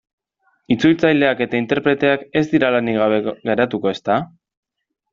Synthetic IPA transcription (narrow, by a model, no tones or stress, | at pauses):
it͡sult͡sajld̪e̞ake̞t̪aint̪e̞ɾpɾe̞t̪e̞ake̞zd̪iɾalaniɣaβeɣe̞ɾat̪uko̞e̞st̪a